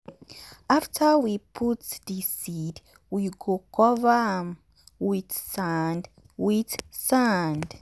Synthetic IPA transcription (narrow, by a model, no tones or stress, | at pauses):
aftʰəwipʰutsdisid | wiɡokʰɔvam | witsand | witsand